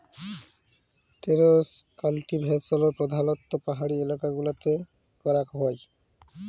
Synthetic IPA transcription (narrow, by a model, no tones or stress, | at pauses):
ʈeɾoskalʈibʱɛsoloɾpɾod̪ʱanot̪ːopaɦaɽielakaɡulat̪e | kɔɾakɦɔj